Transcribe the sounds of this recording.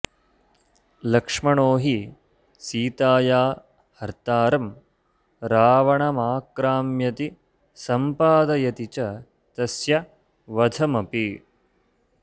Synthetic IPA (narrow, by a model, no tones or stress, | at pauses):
lɐkʂmɐɳoːɦi | siːt̪aːjaː | hɐɾt̪aːɾɐm | ɾaːʋɐɳɐmaːkɾaːmjɐt̪i | sɐmpaːd̪ɐjɐt̪it͡ʃɐ | t̪ɐsjɐ | ʋɐd̪ʱɐmɐpi